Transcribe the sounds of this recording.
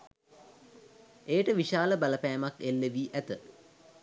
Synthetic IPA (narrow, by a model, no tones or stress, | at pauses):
ejʈəʋiʃaːləbaləpæːmakelːeʋiːʔæt̪ə